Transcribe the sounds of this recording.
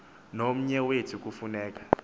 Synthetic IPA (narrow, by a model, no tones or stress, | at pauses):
nom̩ɲɛwetʰik̬ʼufunɛːk̬ʼḁ